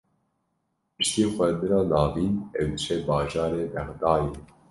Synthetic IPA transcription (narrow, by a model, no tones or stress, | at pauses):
pɨʃt̪eːxʷɛɾnd̪ɨɾɑːnɑːviːnɛwd̪ɨʃɛbɑːʒɑːɾeːbɛxd̪ɑːje